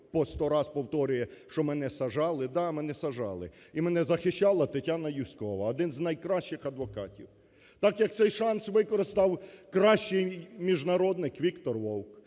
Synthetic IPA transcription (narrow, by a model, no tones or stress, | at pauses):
pɔst̪ɔɾɑspɔwt̪ɔɾʊjɛʃt͡ʃɔmɛnɛsɐʒɑlˠɪd̪ɑmɛnɛsɐʒɑ̰lˠɪ̰ | imɛnɛzɐxɪʃt͡ʃːɑlˠɐt̪ɪtʲanɐjusʲkɔʋɐɔd̪ɪnznɐjkɾɑʃt͡ʃɪxɐd̪ʋɔkɑtʲiw | t̪ɑkjɐk̚t̪sɛjʃɑnsʋɪkɔɾɪst̪ɑwkɾɑʃt͡ʃɪjmʲiʒnɐɾɔd̪nɪkʋʲikt̪ɔrʋɔwk